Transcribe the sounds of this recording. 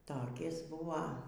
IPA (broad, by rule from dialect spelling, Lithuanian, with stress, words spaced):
toːˈkʲɪs ˈbʊʋɐ